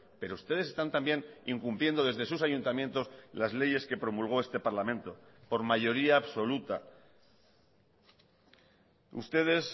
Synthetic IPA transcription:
pe̞ɾo̞ust̪e̞ðese̞st̪ant̪ambje̞niŋkumpljend̪o̞ð̞e̞zðe̞susaʝunt̪amjent̪o̞slazle̞ʝe̞ske̞pɾo̞mulɣ̞o̞e̞st̪e̞paɾlamẽnt̪o̞po̞ɾmaʝo̞ɾiaːβso̞lut̪a | ṵst̪e̞ð̞e̞s

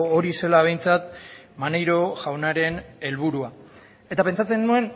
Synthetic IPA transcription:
oɾise̞laβ̞e̞jnt͡sat̪ | manejɾo̞ʝawnaɾe̞ne̞lβuɾua | e̞t̪ape̞nt͡sat͡se̞nːue̞n

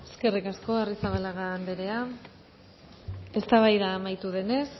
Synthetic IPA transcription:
eske̞rikasko̞arisaβalaɣaːnd̪eɾe̞a | e̞st̪aβajðaːmajt̪uðe̞ne̞s

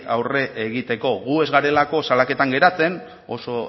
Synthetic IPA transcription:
awre̞ʔeɣ̞it̪e̞ko̞ɣue̞zɣaɾe̞lako̞salake̞t̪aŋɡe̞ɾat͡se̞n | o̞̰so

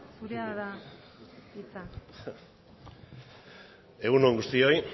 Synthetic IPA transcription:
suɾeaða | it͡san | e̞ɣunueŋɡust̪io̞j

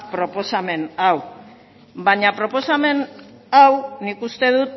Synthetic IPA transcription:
pɾo̞po̞same̞naw | βaɲapɾo̞po̞same̞n | awnikust̪e̞ðut̪

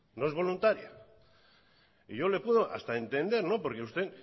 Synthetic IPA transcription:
no̞ezβo̞lunt̪aɾja̰ | iʝo̞le̞puðo̞ʔa̰st̪ae̞nt̪e̞nd̪e̞ɾno̞po̞ɾke̞ust̪e̞

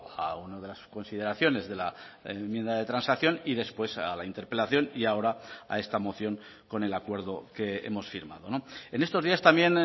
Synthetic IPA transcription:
a̰unað̞e̞lasko̞nsið̞e̞ɾaθjo̞ne̞zðe̞laemjend̪aðe̞t̪ɾansakθjo̞niðe̞spwe̞salaint̪e̞ɾpe̞laθjo̞niao̞ɾaa̰e̞st̪amo̞θjo̞ŋ | ko̞ne̞lakwe̞ɾðo̞ke̞e̞̰mo̞sfiɾma̰ðo̞noe̞ne̞st̪o̞zðiast̪amje̞n

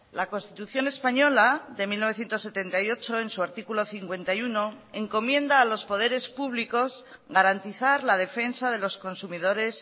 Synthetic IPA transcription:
lako̞nst̪it̪uθjo̞ne̞spaɲo̞laðe̞milno̞e̞θje̞nt̪osːe̞t̪e̞nt̪ajo̞t͡ʃo̞ensuaɾt̪ikulo̞θiŋkwe̞nt̪ajuno̞ | e̞ŋko̞mjẽ̞nd̪aːlo̞spo̞ðe̞ɾe̞spuβliko̞z | ɣaɾant̪iθaɾlað̞e̞fe̞nsaðe̞lo̞sko̞nsumið̞o̞ɾe̞s

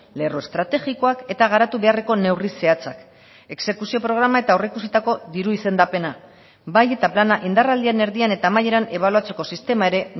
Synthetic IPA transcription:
le̞roe̞st̪ɾat̪e̞ɣiko̞ake̞t̪aɣ̞aɾat̪uβe̞are̞ko̞ne̞wrise̞at͡sak | e̞kse̞kusio̞pɾo̞ɣ̞ɾamae̞t̪ao̞reikusit̪ako̞ðiɾuise̞nd̪ape̞na | baje̞t̪aplanaʔind̪arald̪iane̞ɾðiane̞t̪aːmaje̞ɾane̞β̞aluat͡se̞ko̞sist̪e̞mae̞ɾe̞

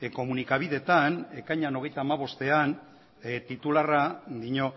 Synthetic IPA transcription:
ko̞munikaβ̞iðe̞t̪ane̞kajɲano̞ɣ̞e̞jt̪aːmaβ̞o̞st̪e̞an | t̪it̪ularad̪iɲo̞

